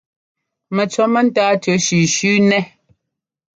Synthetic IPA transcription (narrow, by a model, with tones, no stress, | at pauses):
mɛ˨t͡sɔ˨mɛ˦n̩˦taː˦tə˨˦ʃʉ˨ʃʉː˦nɛ˦